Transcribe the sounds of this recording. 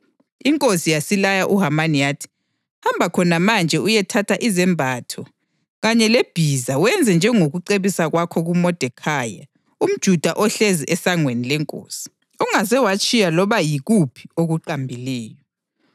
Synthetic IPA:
iŋkʼosijasilajaʔuɦamanijatʰi̥ | hambʱakʰɔnamand͡ʒʱɛujɛtʰatʰaʔizɛmbʱaːtʰɔ | ɣaɲɛleb̥ʱizawɛnd͡zʱɛnd͡ʒʱɛŋoɣuǀeβisaɣwakʰɔɣumɔd̥ʱɛkʰaːja̰ | um̩d̥ʒ̥ʱud̥ʱaʔɔɬeziʔɛsaŋwenilɛŋkʼo̰ːsi̥ | uŋazɛwat͡ʃʼijalɔβajiɣupʰi̥oɣuǃambʱilɛːjɔ

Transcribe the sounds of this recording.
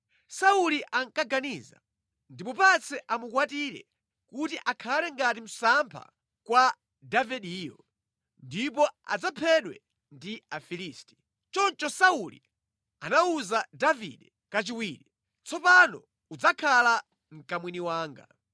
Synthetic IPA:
sauliʔaŋkaɡaniza̰ | ndipupat͡sʰɛʔamukwatiɾɛ̰ | kutiʔakʰalɛŋɡatim̩sampʰa̰ | kwa | davɛɗiːjɔ | ndip̬ɔa̰d͡zapʰɛɗwɛ̰ | ndiafiliːsti̥ | t͡ʃɔnt͡ʃɔsaulḭ | anauzadavḭɗɛ | kat͡ʃiwiːɾi | t͡sʰɔpanɔ̰ | ud͡zakʰala | ŋ̩kamwiniwaːŋɡa̰

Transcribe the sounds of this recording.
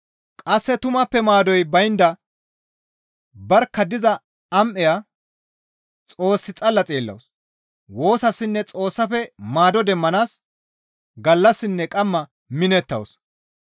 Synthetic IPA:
kʼɐsːɛt̪ʊmɐpːɛmaːd̪ɔjbɐjnd̪ɐ | bɐɾkːɐd̪ɪzɐ | ɐmʔɛja | t͡sʼo̞ːsːɪt͡sʼɐlːɐt͡sʼeːlːɐ̰ws | wo̞ːsɐsːɪnːɛt͡sʼo̞ːsːɐfɛmaːd̪ɔd̪ɛmːɐnaːs | ɡɐlːɐsːɪnːɛkʼɐmːɐ | mɪnɛt̪ːɐws

